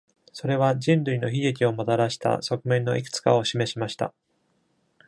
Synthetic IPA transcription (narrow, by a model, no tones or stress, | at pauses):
so̞ɾe̞β̞ad͡ʑĩnɾɯ̟ino̞çiɡekʲio̞mot̪aɾaɕi̥t̪a̰so̞kɯ̟mẽ̞nːo̞ʔikɯ̟̥t͡sɨ̥ka̰o̞ɕime̞ɕimaɕi̥t̪a̰